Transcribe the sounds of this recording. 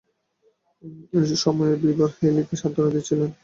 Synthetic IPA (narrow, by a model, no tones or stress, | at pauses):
ʃɔmɔjeɾbibɔɾxelik̪eʃad̪ʱoɾod͡ʑ̪it͡ɕʰilen